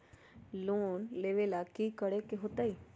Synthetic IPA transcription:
loːnleːʋeːlakiːkəɽekeɦoːt̪aiː

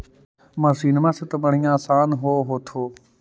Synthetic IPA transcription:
mãːsiːnmãːset̪əməɳ̤ɪjãːsaːnɦoːɦoːt̪ʰoː

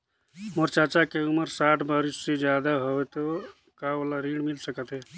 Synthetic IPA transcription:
moɾt͡ʃat͡ʃakeuməɾsaʈʰbaɾisːed͡ʒjad̪aɦoet̪o | kaolaɾiɽmilsəkət̪ɦɛ

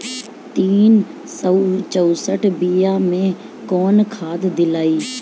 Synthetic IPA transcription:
t̪iːn | sət͡ʃəusəʈʰbiːjaːmẽ | kɔːnkʰaːd̪d̪ɪlaːiː

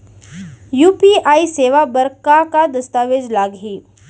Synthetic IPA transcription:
juːpiaiseʋabəɾkakad̪əst̪aʋed͡ʒlaɡɦiː

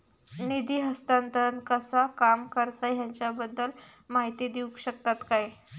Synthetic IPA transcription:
nid̪iːɦəst̪ant̪əɾəɳkəsakamkəɾt̪aɦjaɲt͡ɕjabəd̪ːəl | maɦit̪iːd̪iukɕək̚t̪at̪kaj

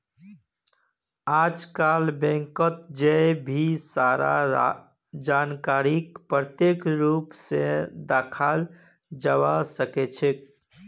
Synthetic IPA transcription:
aːd͡ʒkaːlbɛ̃ŋkət̪̚d͡ʒebʱisaːɾa̰ | d͡ʒankaɾikpɾət̪jeːkɾuːpsed̪aːkʰal | d͡ʒəwasəket͡ʃʰek

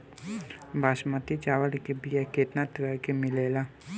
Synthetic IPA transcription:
bʱaːʃmət̪it͡ʃaːʋəɽkebijɛkeːʈ̪nat̪ɾɛkemɪleːla

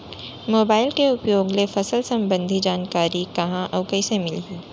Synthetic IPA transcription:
moːbaːɪlkeʊpjoːɡlefɐsəlsɐ̃mbə̃nd̪ʱid͡ʒaːnkaːɾikɐɦãʔɔːbkɐisemɪlɦiː

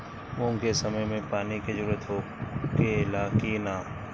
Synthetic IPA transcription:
mʊ̃ŋkesəməjmẽpaːnikezəɾuːɾət̪ɦo | kelaːkinaːm

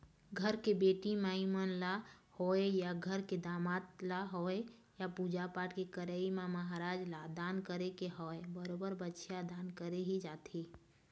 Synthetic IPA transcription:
ɡʱəɾkebeːʈimaimənlahoːejaɡʱəɾked̪aːmaːt̪laɦoe | japud͡ʒapaːʈkekəɾəimãməɦaɾaːd͡ʒlad̪aːnkəɾekeɦoebəɾoːbəɾbətːʃʰjad̪aːnkəɾeɦid͡ʒaːt̪ʰi

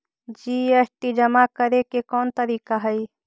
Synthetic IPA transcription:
d͡ʒiːesʈid͡ʒɐmakəɾekekɔːnt̪əɾiːkaɦəi

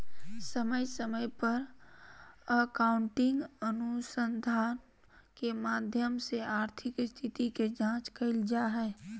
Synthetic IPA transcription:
səməjsəməjpəɾ | əkaːʊ̃ɳʈɪ̃ŋɡənʊsə̃nd̪ʱaːn | kemaːd̪ʱjəmseaːɾt̪ʰɪkst̪ʰɪt̪iked͡ʒãːt͡ʃkəɪld͡ʒaɦɛː

